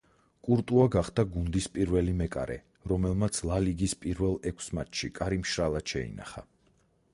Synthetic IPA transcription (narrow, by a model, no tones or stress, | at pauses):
kʼuɾt̪ʼuaɡaχd̪aɡund̪ispʼiɾvɛlimɛkʼa̰ɾɛ̰ | ɾɔmɛlˠmat̪sʰlˠaliɡispʼiɾvɛlˠɛkʷʰsmat̪ʰʃikʼaɾimʃɾalˠaʃɛḭna̰χa̰